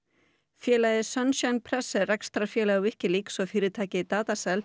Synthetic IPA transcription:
fjɛːlajðɪsœnsjanpʰɾɛsːɛrɛkst̪ɾafjɛːlaʏvɪhcɪliːksɔfɪːɾɪt̪ʰaːcɪt̪aːt̪asɛl

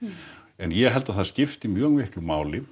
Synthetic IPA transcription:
ɛnjɛɣɦɛlt̪aðθascɪft̪imjœːɣvɪhklʏmaːwlɪ

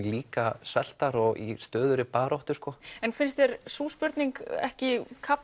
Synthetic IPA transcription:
liːkasɛl̥t̪aɾɔɣḭst̪œːðʏɾɪpaːɾɔwht̪ʏɾ̥skɔɛnfɪnst̪ɛɾsuːspʏɾt̪niŋkɛ̰hcɪkʰap

